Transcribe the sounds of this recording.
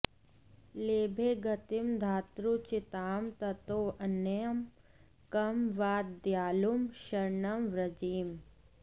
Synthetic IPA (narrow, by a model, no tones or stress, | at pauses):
leːbʱeːɡɐt̪imd̪ʱaːt̪ɾut͡ʃɪt̪aːmt̪ɐt̪oːʔɐnɐjɐm | kɐmʋaːd̪jaːlumʃɐɾɳɐmɾɐd͡ʒiːm